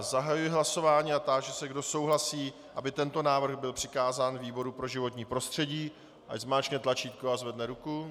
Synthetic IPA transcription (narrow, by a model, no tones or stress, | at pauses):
zaɦajujɪɦlaso̞vaːɲiːat̪aʒɛsɛɡdo̞so̞wɦlasiː | ʔabɪt̪ɛnt̪o̞naːvr̩ɣbɪlpr̥ɪkaːzaːnviːbo̞ɾupɾo̞ʒɪvo̞t̪ɲiːpɾo̞st̪r̝̥ɛɟiː | ʔa̰ɟzmaːt͡ʃknɛt̪lat͡ʃiːt̪̚koazvɛdnɛɾuku